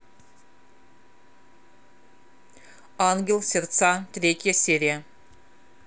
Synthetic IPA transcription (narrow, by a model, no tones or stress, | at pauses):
ɑŋɡʲelˠsʲert̪sɑt̪ʲɾʲet̪ʲjəsʲeɾʲija